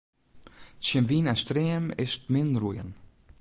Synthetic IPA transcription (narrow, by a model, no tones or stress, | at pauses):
ʃənviːnɛstɾeːmɪ̰stmɪnrujən